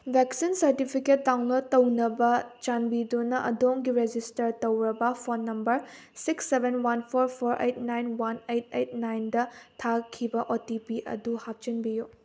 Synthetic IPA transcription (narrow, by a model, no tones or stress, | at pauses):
bʱeksinsɐɾtipʰiket̚dawnloɾtɐwnɐbɐt͡ʃanbidunɐʔɐ̰doŋɡiɾed͡ʒistɐɾtɐwɾɐbɐpʰonːɐmbɐɾ | siksːebʱenwanpʰoɾpʰoɾʔḛjt̚najnwanejt̚et̚najndɐtʰakʰːibɐʔotipiʔɐ̰duhap̚t͡ʃinbiju